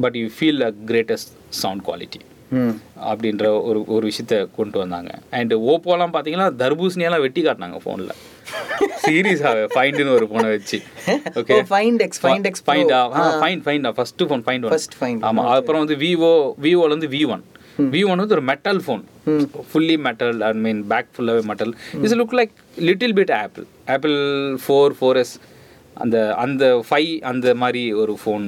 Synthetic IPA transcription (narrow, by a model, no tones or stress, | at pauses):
bɐʈjuːfiːlɐɡɾeːʈɛsʈ | sɐʊɳɖkwa̰ːlɪʈːi̥ | ɐ̰pːɐɽɪnɾɐɔɾɯɔɾɯʋɪʂɐjɐt̪ːɐkɔɳɖɯʋɐnd̪a̰ːŋɡɐ̰ɛɳɖoːpoːlãːpaːɾt̪iːŋɡɐlːãːd̪ɐɾbuːsnɪjɐlãːʋɛʈːikaːʈːna̰ːŋɡɐfo̰ːnɪlɐ̰ | siːɾiɐs̬aːʋefɐɪɳɖɯnɯɔɾɯpoːnɐʋɛt͡ʃːɯoːkefɐɪɳksɖksfɐɪɳaːaːmafɐɪ̃ɳɖfɐ̃ɪ̃ɳɖaːfɐsʈːɯfoːnfɐ̃ɪ̃ɳɖɐɐsʈɐɪaːma̰ːɐðɐpːɾɔ̃ʋɐnd̪ɯʋiːʋoːʋiːoːʋɐnd̪ɯʋiːʋɐn | ʋiːʋɐnʋɐnɯɔɾɯmɛʈːɐlfoːn | fʊlːimɛʈɐlɐɳmiːnbaːk̚fʊlːaːʋeːmɛʈːɐlɪs̬lʊklɐɪk | lɪʈːɪlbɪʈɛːpɪl | ɛːplfoːɾfoːɾɛs | ʔɐ̰nd̪ɐɐnd̪ɐfɐɪʔɐnd̪ɐmaːd̪ɾiɔɾɯfoːn